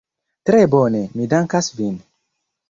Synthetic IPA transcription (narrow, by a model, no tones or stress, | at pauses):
tɾebonemidaŋkasvin